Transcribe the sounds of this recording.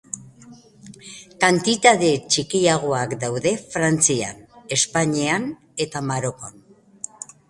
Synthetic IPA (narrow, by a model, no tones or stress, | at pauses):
kant̪it̪aðe̞t͡ʃikiaɣ̞o̞akd̪awðe̞fɾant͡sia̰ne̞spaɲian | e̞t̪amaɾo̞kon